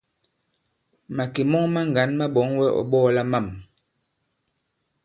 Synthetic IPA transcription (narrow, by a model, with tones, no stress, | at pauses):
ma˨ke˨mɔ˦ŋma˦ŋ˨ɡa˨˦nma˦ɓɔ˨˦ŋwɛ˦ʔɔ̰˨ɓɔː˦la˦ma˦˨m